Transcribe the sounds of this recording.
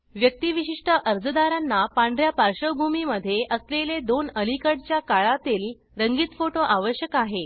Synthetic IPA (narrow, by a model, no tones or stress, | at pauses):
ʋjək̚t̪iʋiɕiʂʈəʔəɾd͡zəd̪aɾanːapaɳɖɾjapaɾɕəʋbʱumiməd̪ʱːjeʔəsleled̪onəlikəɽt͡ɕjakaɭat̪el | ɾəŋɡiːt̪foʈoʔaʋəɕjəkaɦe